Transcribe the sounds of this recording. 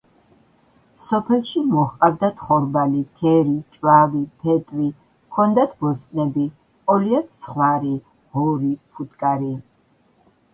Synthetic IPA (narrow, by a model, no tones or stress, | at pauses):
sɔpʰɛlˠʃimɔχqʼabd̪at̪ʰχɔɾbalit̪ʰɛɾit͡ʃʼwavipʰɛt̪ʼɾi | kʰɔnd̪at̪ʰbɔst̪ʼnɛbi | qʼɔliat̪ʰsʰχwaɾi | hɔɾipʰut̪kʼaɾi